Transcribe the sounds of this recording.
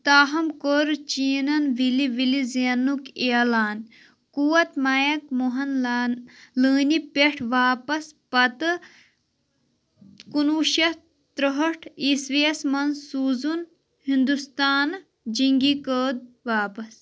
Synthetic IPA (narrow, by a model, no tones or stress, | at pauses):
t̪aːɦɐmkəɾt͡ʃiːnɐnʋiliʋilizenːukeːlaːn | kuwɐt̪majɐk̚muɦɐnː | ləːnipeʈʰʋaːpɐspɐt̪ɨ | kunuʃɐ | t̪ɾəɦɐʈʰisʋiɐsmɐnsuːzun | hind̪ust̪aːn | d͡ʒiŋɡikəːd̪̚ʋaːpɐs